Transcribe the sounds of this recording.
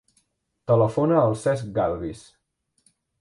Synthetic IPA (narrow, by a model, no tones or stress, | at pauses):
t̪ələfonəːlˠsɛzɡalɣis